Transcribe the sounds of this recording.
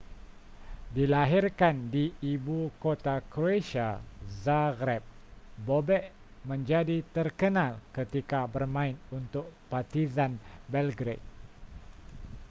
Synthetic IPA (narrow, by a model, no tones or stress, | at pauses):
dilaɦirkandiibukot̪akɾoeʃazaɡɾɛp̚ | bobɛʔ | mə̃ɲd͡ʒadit̪ərkənalkət̪ikabərmãɪnunt̪ʊk̚part̪izanbɛlɡɾet̪̚